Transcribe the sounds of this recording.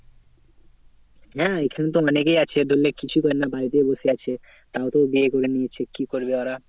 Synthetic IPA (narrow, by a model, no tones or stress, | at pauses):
ɦɛ̃ejkʰanet̪̬oɔnekejat͡ɕʰed̪ʱolːekit͡ɕʰukɔɾenabʱait̪ejboseat͡ɕʰe | t̪aot̪obiekoɾeniet͡ɕʰekikoɾbeɔɾa